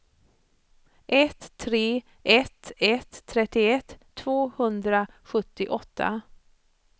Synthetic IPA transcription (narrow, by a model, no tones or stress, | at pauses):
ʔɛt̪ʰːɾeː | ʔɛt̪ːɛt̪ʰːɾɛt̪ːɪɛt̪ʰːvoːhɵnd̪ɾa | ɧɵt̪ːɪʔɔt̪ʰːa̰